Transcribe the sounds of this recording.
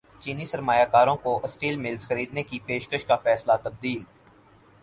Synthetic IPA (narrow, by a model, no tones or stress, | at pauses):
t͡ʃiːnisɐɾmaːjakaːɾõkoʔɐsʈiːlmɪlzxɐɾiːd̪nekipeːʃkəʃkafɛːslat̪ɐb̚d̪iːl